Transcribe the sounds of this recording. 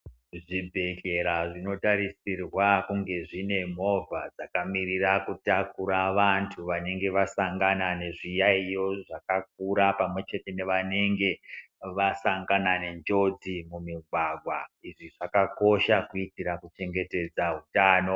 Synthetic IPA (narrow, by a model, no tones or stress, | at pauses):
ʐibʱe̞ke̞ɾaʐino̞taɾisirwakuŋɡe̞ʐine̞m̤o̞vʱad͡zakamirirakutakuɾaʋantʰuʋane̞ŋɡe̞ʋasaŋɡanane̞ʐijaijo̞ʐakak̚uɾapamwe̞t͡ʃe̞te̞ne̞ʋane̞ŋɡe̞ | ʋasaŋɡanane̞nd͡ʒo̞d͡zimumiɡʱwaɡʱwaiʐiʐakako̞ʃakuitiɾakut͡ʃe̞ŋɡe̞te̞d͡zaɦutaːno̞